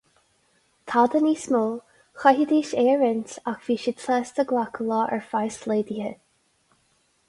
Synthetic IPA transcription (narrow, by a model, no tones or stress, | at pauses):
t̪ʰad̪əniːsmolˠ | xaɦid̪iːʃɛːɹɪntaxv̥iːʃɪtʰɛːst̪əɡlakʰəlɔːʔɛɹfajsleːd̪ihə